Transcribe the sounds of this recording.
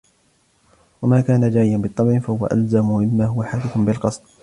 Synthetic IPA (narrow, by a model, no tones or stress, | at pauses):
wamaːkaːnad͡ʒaːʕɪjanbɨt̪ˤːɑbʕɪfahʊwa̰ʔa̰lzamʊmɪmːaːɦʊwaħaːkɪθʊnbɪlqɑsˤd̪̚ˤ